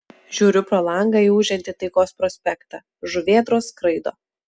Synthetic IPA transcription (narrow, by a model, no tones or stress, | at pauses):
ʒʲuːɾʲʊpɾoːlˠɐŋɡɐiuːʒʲɛnʲt̪ʲɪt̪ɐɪkoːspɾɔsʲpʲɛkt̪ɑ̰ː | ʒʊʋʲeːd̪ɾoːskɾɐɪd̪o̰ː